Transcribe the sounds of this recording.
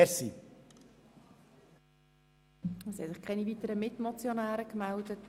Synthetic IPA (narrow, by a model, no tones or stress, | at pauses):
ɾsi | ɛshɛsɪχkʰɛnivitəɾəmɪtmɔt͡sjonæːɾəkmældət